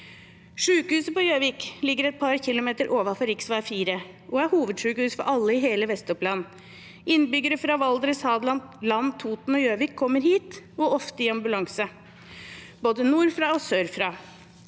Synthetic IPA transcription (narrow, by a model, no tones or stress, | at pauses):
ʂʉːkəhʉːsəpɔjøːʋɪːklɪɡːəɾɛɪt̪̚pʰɑɾçɪlʊmeːt̪əɾʔoːʋɑfɔɾɪksʋɑfiːɾə | ʔɔæɾhuːʋəd̪ʂʉːkəhʉːsfɔ̰ɾʔɑlːəɪɦeːləʋɛst̪ɔplɑn | ʔɪnːbʏɡːəɾəfɾɑʋɑld̪ɾəshɑːd̪lɑnlɑnt̪ʰuːt̪n̩ɔjøːʋɪːkʰːɔmːəɾɦiːt̪ɔʔɔft̪əɪɑmbʉlɑŋsə | b̥oːd̪ənuːɾfɾɑːɔsøːɾfɾɑː